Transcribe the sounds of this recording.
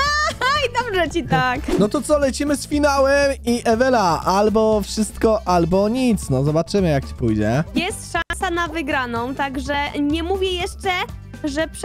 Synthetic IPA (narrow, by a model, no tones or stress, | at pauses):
aajd̪ɔbʐɛt͡ɕit̪aknɔt̪ɔt̪sɔlɛt͡ɕimɘsfʲinawɛmiʔɛvɛlaʔalbɔfʂɘst̪kɔʔalbɔɲit̪snɔzɔbat͡ʂɘmɘjakt͡ɕi̥pujd͡ʑɛjɛst̪ʂasanavɘɡɾanɔ̃w̃t̪aɡʐɛɲɛmuvʲjɛjɛʂt͡ʂɛ | ʐɛpʂ